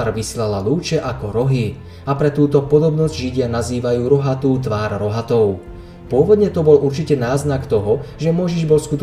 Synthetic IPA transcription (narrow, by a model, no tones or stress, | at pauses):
ɾʋislalaluːt͡ʃɛʔakɔɾɔɦi | apɾɛt̪uːt̪ɔpɔd̪ɔbnɔzɟʒiɟɪanaziːʋajuːɾɔɦat̪uːt̪ʋaːɾɾɔɦat̪ɔʊ | pʊɔʋɔd̪ɲɛt̪ɔbɔluɾt͡ʃicɛnaːznakt̪ɔɦɔʒɛmɔjʒiʒbɔlskut̪